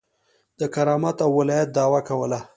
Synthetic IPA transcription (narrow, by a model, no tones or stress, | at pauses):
d̪əkaɾɑmat̪awːɪlɑjat̪̚d̪ɑwakawəla